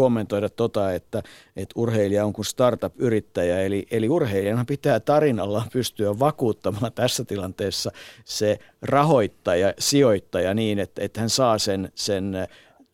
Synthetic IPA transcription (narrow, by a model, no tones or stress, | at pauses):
omːent̪oiɾɑt̪t̪ot̪ɑet̪ːæ | ʔet̪urheiliɑoŋkunst̪ɑrt̪ɑpyrit̪ːæjæeliʔeliurheiliɑnɑpit̪æːt̪ɑrinɑlːɑpyst̪yæʋʋɑkuːt̪ːɑmɑːnt̪æsːæt̪ilɑnt̪eːsːɑse | rɑhoit̪ːɑjɑsioit̪ːɑjɑniːnet̪ːet̪hænsɑːsensen